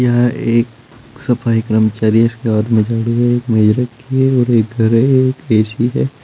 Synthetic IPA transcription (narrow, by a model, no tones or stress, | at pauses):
jɐɦãʔeːk | sɐfaːikɾəmt͡ʃaːɾiɦɛɪskeɔːd̪mẽd͡ʒaːɽiɦɛeːkmed͡ʒɾɐkːiɦɛɔːɾeːk̚ɡʱɐɾɦɛeːkeːʃiɦɛː